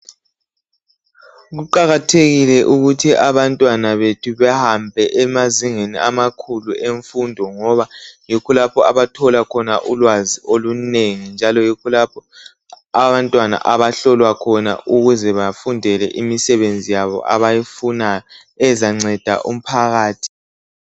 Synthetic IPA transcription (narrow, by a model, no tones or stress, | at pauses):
ɣuǃaɣatʰeɣilɛʔuɣutʰiʔaβantʼwanaβetʰuβɛhambʱɛʔɛmaziŋeniʔamakʰulueɱfundʱɔŋɔβajikʰulapʰɔaβatʰɔlakʰɔnaʔulwaziʔoluneŋind͡ʒʱalɔjikʰulapʰɔ | aβantʼwana̰ʔaβaɬɔlwakʰɔna̰ʔuɣuzɛβafundʱɛlɛ̰ʔimisɛβend͡zʱijaβɔ̰ʔa̰βajifunajɔ | ɛzaŋ͡ǀɛd̥ʱa̰ʔṵm̩pʰaɣaːtʰi̥